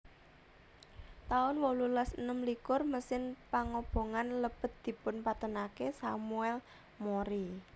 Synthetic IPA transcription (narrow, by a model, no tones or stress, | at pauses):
t̪aʊnwolulasənəmlikʊrməsɪnpaŋob̥o̤ŋanləb̥ə̤t̪̚d̪̥i̤pʊnpat̪ənakesamuɛl | moɾi